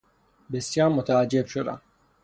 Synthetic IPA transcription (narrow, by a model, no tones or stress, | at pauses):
besjɑːɾmot̪ʰaad͡ʒːebʃod̪a̰n